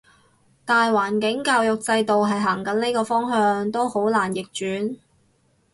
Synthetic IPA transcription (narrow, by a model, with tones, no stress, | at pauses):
t̪aː˨jwaː˨˩nkɪ˨˥ŋkaː˧wjʊ˨k̚t͡sɐ˧jt̪o˨wɦɐ˨jɦaː˨˩ŋkɐ˨˥nle˥jkɔː˧fɔː˥ŋɦœː˧ŋt̪o˥who˨˥wlaː˨˩njɪ˨k̚t͡ʃyː˨˥n